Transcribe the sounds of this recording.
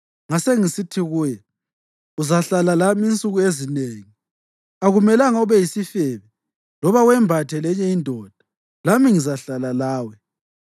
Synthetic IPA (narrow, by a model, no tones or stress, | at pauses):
ŋaseŋisitʰiɣuːjɛ | uzaɬalalamiint͡sʼuɣuezineːŋi | aɣumɛlaŋauβɛjisifɛβɛ | lɔβawɛmbʱatʰɛlɛɲɛindʱɔd̥ʱḁ | lamiŋizaɬalalaːwɛ